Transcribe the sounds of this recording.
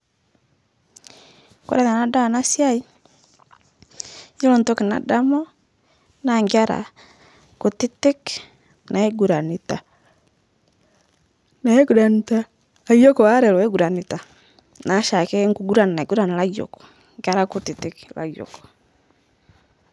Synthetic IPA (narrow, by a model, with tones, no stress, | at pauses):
kɔ̰˨ɾɛ˦na˨na˦da˦˨na˦sja˦i˦ | jo˦lɔ˨nto˦ke˨na̰˨da˦mɔ˦ | na˨ŋɡa˦ɾa̰˨ | ko˨ti˦ti˦k | na˨e˦ɡu˨ɾa˨ni˨ta˨ | na˨e˦ɡu˨˦ɾa˨ni˦ta˦ | a˨jo˦kɔ˨wa˦ɾɛ˨lɔ˨ɛ˦ɡu˨ɾa˨ni˨ta˨ | na˨˦ʃa˨kɛ˦ŋɡu˨ɡu˦ɾa˨n˨na˨e˨ɡu˦ɾa˨na˨la˦jo̰˨kɔ̥˨ | ŋɡa˦ɾa˦ko˨ti˨ti˦kla̰˨jo̰˨kɔ̥˨